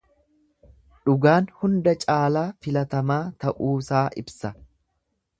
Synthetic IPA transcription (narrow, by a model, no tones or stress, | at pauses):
ᶑʊɡaːnhʊnd̪ɐt͡ʃʼaːlaːfɪlɐt̪ɐmaːt̪ɐʔuːsaːʔɪbsɐ